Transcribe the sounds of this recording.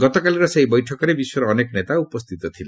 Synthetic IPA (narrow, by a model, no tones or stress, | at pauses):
ɡɔt̪ɔkaliɾɔseɦibɔjʈʰɔkɔɾebisɔɾɔːnekɔnet̪aupɔst̪ʰit̪ɔt̪ʰile